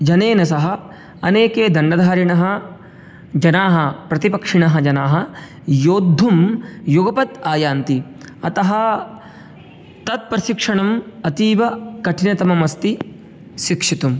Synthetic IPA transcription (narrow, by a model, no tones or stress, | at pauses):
d͡ʒɐneːnɐsɐɦɐ̆ | ɐneːkeːd̪ʱɐɳɖɐd̪ʱaːɾiɳɐɦɐ | d͡ʒɐnaːɦɐpɾɐt̪ipɐkʂiɳɐɦɐd͡ʒɐnaːɦɐ | joːd̪ʱːumjuɡɐpɐt̪aːjaːnt̪i | ɐt̪ɐɦɐ | t̪ɐt̪̚pɾɐʃikʂɐɳɐmɐt̪iːʋɐkɐʈʰinɐt̪ɐmɐmɐst̪i | ʃikʂit̪um